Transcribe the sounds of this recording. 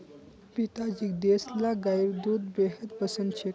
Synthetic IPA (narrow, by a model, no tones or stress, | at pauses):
pit̪ad͡ʑikd̪eslaɡajɾd̪ud̪beɦət̪pəsənd̪ɕe